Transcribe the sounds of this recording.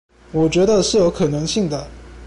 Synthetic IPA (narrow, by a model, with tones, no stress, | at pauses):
wɔ˨˩t͡ɕɥɛ˧˥d̪ə˧ʂɻ̩˥˩jo˧˥ʊkʰɤ˨˩nɤ˧˥ŋɕi˥˩ŋd̪ə˩